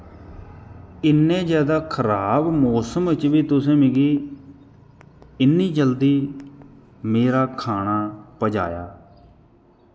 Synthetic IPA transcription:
ɪnːẽːd͡ʒɛːd̪aːkʰəɾaːbmoːsəmɪt͡ʃʋiːt̪ʊsẽːmɪɡiː | ɪnːiːd͡ʒəld̪iː | meːɾaːkʰaːnaːpəd͡ʒa̰ːja̰ː

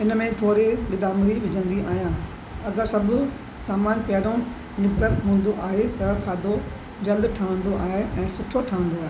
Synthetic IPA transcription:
ɪnmẽt̪ʰoːɾeɓɪd̪aːmɾiʋɪd͡ʑʱə̃nd̪iʔaːɦijãː | ɐɡəɾsɐbʊ̆ | saːmaːnpjaːɾõ | nɪkd̪əɾɦũːnd̪oʔaːɦet̪ɐkʰaːd̪o | d͡ʑɐld̪ʈʰaːə̃nd̪oʔaːɦeʔɛ̃ːsʊʈʰoʈʰaːə̃nd̪oaːɦe

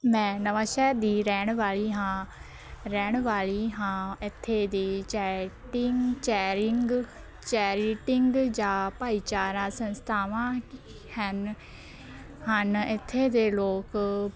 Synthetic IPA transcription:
mɛ̃ːnəʋãːʃɛːd̪iːɾɛːɳ̃ʋaːliːɦãː | ɾɛːɳʋaːliːɦãːɪt̪ʰːeːd̪iːt͡ʃɛːʈɪŋt͡ʃɛːɾɪŋɡ | t͡ʃɛːɾiːʈɪŋɡd͡ʒãːpaːiːt͡ʃaːɾãːsənst̪ʰaːʋãː | hən | hənɪt̪ʰːeːd̪eːloːk

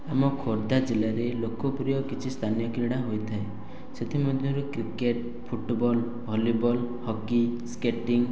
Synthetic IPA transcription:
amɔkʰoɾd̪ad͡ʒelaɾelokɔpɾijɔkit͡ʃʰist̪ʰanijɔkiɾiɽ̃aɦojt̪ʰae | set̪ʰimɔd̪ʱjɔɾukɾikeʈ | pʰuʈbɔl | bʱɔlibɔlhɔkiskeʈiŋ

